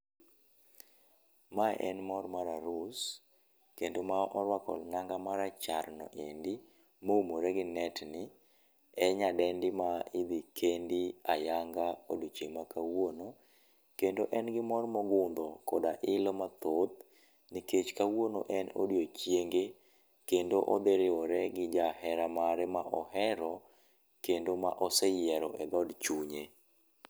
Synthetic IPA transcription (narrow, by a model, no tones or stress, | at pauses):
maʔɛ̰nmɔrmaɾaɾʊs | kendomaʔɔɾwakɔ̰lnaŋɡamaɾat͡ʃarnɔ̰ʔendi | moumoɾɛɡɪnɛtnɪ | ɛɲadɛndɪmaɪd̪ikʰendiajaŋɡao̰dut͡ʃemakawono | kendoʔɛnɡɪmɔrmɔɡʊnd̪ɔkɔdaʔɪlɔmat̪ot̪̚ | niket͡ʃkawonoʔɛno̰djot͡ʃjeŋɡe | kendoʔɔ̰d̪eɾɪwɔɾɛɡɪd͡ʒahɛɾamaɾɛmaʔɔhɛɾɔ | kendoma̰ʔɔsɛjɪɛɾɔʔɛd̪ɔdt͡ʃuɲe